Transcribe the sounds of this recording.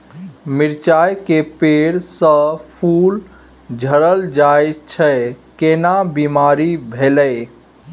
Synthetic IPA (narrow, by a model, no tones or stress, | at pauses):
miɾt͡ʃajkepeɽsə̃pʰul | d͡ʒʱəɾəld͡ʒajt͡ʃʰɛkenabimaɾibʱeləj